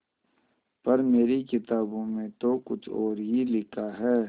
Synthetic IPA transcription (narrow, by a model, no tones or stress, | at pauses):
pɐɾmeːɾikɪt̪aːbõmẽt̪okʊt͡ʃʰɔːɾɦilɪkʰaɦɛː